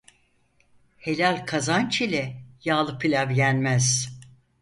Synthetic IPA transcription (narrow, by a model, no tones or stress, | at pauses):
he̞lʲalʲkʰazant͡ʃʰilʲɛjaːlˠɯpʰilʲavjænʲmæz̥